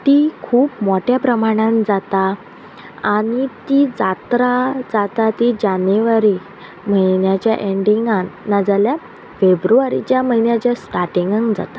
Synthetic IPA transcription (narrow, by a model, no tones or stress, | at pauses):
t̪ikʰuːpmoʈjapɾəmaɽ̃ãnd͡zat̪a | aɽ̃it̪id͡zat̪ɾad͡zat̪at̪id͡ʑanʋaɾi | m̤əɦinjat͡ɕjaʔeɳɖiŋɡãnːad͡zalja | febɾuʋaɾḭt͡ɕjaməinjat͡ɕjasʈaʈiŋɡəŋɡd͡za̰t̪ḁ